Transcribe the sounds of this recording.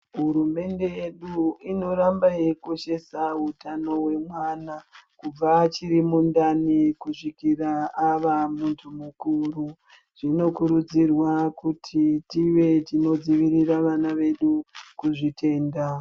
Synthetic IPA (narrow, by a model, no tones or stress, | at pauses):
ɦuɾume̞nde̞jeɗuino̞ɾambaje̞koʃe̞saɦutano̞we̞mwaːnakub͡vat͡ʃiɾimundanikuʂikiraaʋamuntʰumukuru | ʐ̥ino̞kuɾud͡zirwakutʰitiʋe̞tino̞d͡ziʋiriraʋanaʋe̞ɗukuʐite̞ːnda